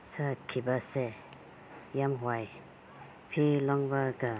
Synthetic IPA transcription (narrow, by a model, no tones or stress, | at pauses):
sakʰibase | jamɦwaj | pʰilɔŋbaɡa